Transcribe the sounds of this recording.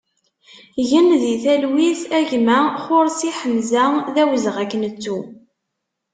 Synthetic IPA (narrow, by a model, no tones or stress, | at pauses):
ʝənðiθælwiθæʝmæχʊɾsiħəmzæðæwəzʁækːnət͡sːu